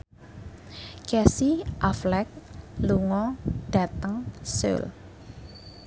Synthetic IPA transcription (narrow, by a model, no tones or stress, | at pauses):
kɛsiʔaflɛk̚luŋɔd̪̥ä̤t̪əŋsə̰l